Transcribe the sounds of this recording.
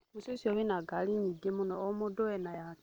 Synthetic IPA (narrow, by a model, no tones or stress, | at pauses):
mususioβinaɡaliɲiɡemunɔːmodoenaja